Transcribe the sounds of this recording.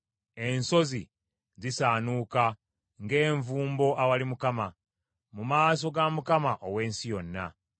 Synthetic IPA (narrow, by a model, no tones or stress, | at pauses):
e̞nso̞zḭ | zisaːnuːka | ŋɡe̞ːɱvuːmbo̞ʔawalimukama | mumaːs̬o̞ɡamukamaʔowe̞ːnsijo̞nːa̰